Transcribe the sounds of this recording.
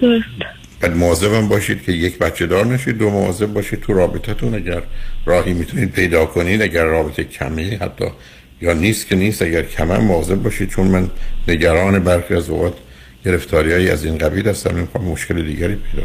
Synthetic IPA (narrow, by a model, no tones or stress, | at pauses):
d̪os | b̥æd̪moɒːzebæmbɒːʃiːd̪̚cʰe̞jecbæt̪t͡ʃʰːe̞d̪ɒːɾnæʃiːd̪̚ːomoɒ̰ːze̞b̚bɒːʃiːd̪̚t̪ʰuɾɒːbet̪ʰæt̪ʰunæɟæɾːɒːhiːmiːt̪ʰuniːd̪̚pʰe̞jd̪ɒːkʰo̞niːd̪æɟæɾːɒːbet̪ʰecʰæ̰mehæ̰t̪ʰːɒ̰ː | jɒːniːst̪cʰe̞niːst̪æɡæɾkʰæmæ̰mmɒze̞b̚bɒːʃiːd̪̥̚t͡ʃʰonmænːe̞ɟæɾɒːne̞bæɾxiːæzo̰ʁɒːt̪ | ɟ̥e̞ɾeft̪ʰɒːɾijɒːjiæ̰ziːnɡæbiːlhæst̪æmmemixɒːmmːoʃkʰe̞led̪iːɟæɾiːpʰe̞jd̪ɒ̰ː